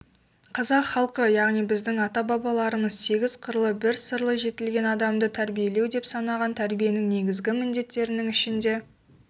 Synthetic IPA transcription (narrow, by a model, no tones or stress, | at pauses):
qʰɑzɑqχɑlˠqəjɑʁnijbɪzd̪ɪŋɑt̪ɑbɑbɑlˠɑɾəməzse̞ɡʲɪz̥qʰəɾlˠəbɪɾsəɾlˠəʒe̞t̪ɪlɡʲe̞nɑd̪ɑmd̪ət̪ʰæɾbije̞le̞wd̪e̞psɑnɑʁɑnt̪ʰæɾbije̞nɪŋne̞ɡʲɪzɡʲɪmɪnd̪e̞t̪ːe̞ɾɪnɪŋɪʃɪnd̪e̞